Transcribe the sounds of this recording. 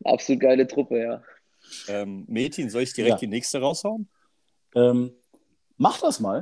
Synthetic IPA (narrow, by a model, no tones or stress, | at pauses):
ʔa̰psoluːt̚ɡ̥aɪlətʁ̥ʊpəjaː | ʔɛːmːeːtʰənzɔlɪçd̥iʁɛkd̥iːnɛːkstəʁaʊshaʊn | ʔɛːm | maχd̥asmaːl